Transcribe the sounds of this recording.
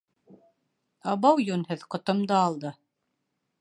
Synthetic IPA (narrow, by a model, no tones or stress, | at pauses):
ɑβɑwjunhɤðqŏt̪ɤ̆md̪ɑːlˠd̪ɤ